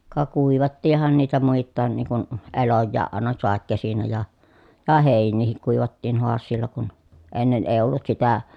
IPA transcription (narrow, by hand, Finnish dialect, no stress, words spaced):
kɑ kuiʋɑtːiːhˑɑn niːtæ muitːɑːn niːŋ kun elojːɑːʔ ʔɑˑenɑ sɑˑekːesinæ jɑ jɑ heˑinːiːhik kuiʋɑtːiːn hoɑsːiːlːɑ kun enːen eˑi̯ olːut sitæ